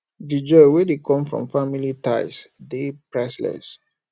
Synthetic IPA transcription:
did͡ʒɔwedekʰɔ̃mfɹɔ̰̃mfamilitaɪsdepɹɛslɛ̰s

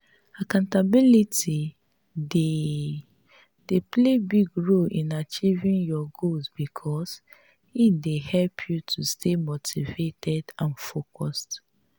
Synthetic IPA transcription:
akãntabiliti | de | d̥eplebiɡɹolʔĩnat͡ʃivĩnjɔɡolzbikʰɔs | idehɛlpʰjutʰustʰemotʰivetʰɛdãnfokʰɔst

